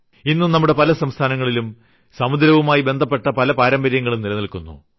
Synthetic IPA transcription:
inːunɐmːuɽe̞pɐlɐsɐmst̪ʰaːnɐŋːɐɭilum | sɐmud̪ɾɐʋumaːjibe̞nd̪ʱɐp̬ːe̞ʈːɐpɐlɐpaːɾɐmbɐɾjɐŋːɐɭumnilɐnilkunːṵ

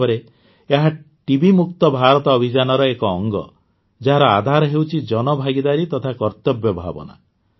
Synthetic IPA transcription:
ɔɾe | eɦa | ʈibimuk̚t̪ɔbʱaɾɔt̪ɔːbʱid͡ʒanɔɾɔekɔːŋɡɔ̰ | d͡ʒaɦaɾɔa̰d̪ʱaɾɔɦewt͡ʃʰid͡ʒɔnɔbʱaɡid̪aɾit̪ɔt̪ʰakɔɾt̪ɔbjɔbʱa̰bɔ̰na̰

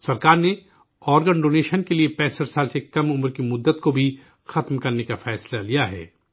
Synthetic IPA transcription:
sɐɾkaːɾne | ɔːɾɡəɳɖoːneːʃənkeliepɛːsəɾsaːlsekɐmʊmɾkimʊd̪ːət̪kobʱi | xɐt̪mkɐɾnekafɛːslalijaɦɛ̰ː

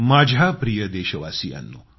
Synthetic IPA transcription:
maːd͡ʒʱapɾijəd̪eːʃɐʋasija̰nːṵ

